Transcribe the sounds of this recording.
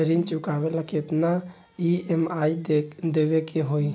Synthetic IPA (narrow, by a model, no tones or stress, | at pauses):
əɾint͡ʃʊkaːʋelaket̪na | iemaːidd̪eːʋekeɦoi